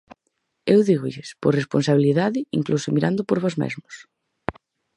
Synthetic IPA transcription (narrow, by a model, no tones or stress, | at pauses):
ewðiɣʊʎɪspoɾresponsaβiliðaðɪḭŋklusomiɾand̪ʊpoɾβɔzmḛzmʊs